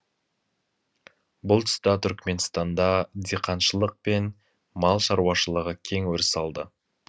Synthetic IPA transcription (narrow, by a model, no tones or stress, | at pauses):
bʊlˠt̪ʰʏst̪ɑt̪ʰʏɾkʲme̞nst̪ɑnd̪ɑd̪eqʰɑnʃəlˠəq̚pe̞n | mɑlˠʃɑɾuwɑʃəlˠəʁəkʲʰe̞ŋwɵɾɪsɑlˠd̪ə